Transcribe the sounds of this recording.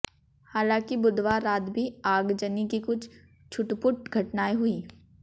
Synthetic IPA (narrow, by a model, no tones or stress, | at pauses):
haːlãːkibʊd̪ʋaɾaːt̪bʱiaːɡd͡ʒənikikʊt͡ʃʰ | t͡ʃʰʊʈpʊʈ̚ɡʱɐʈnaːiɦʊiː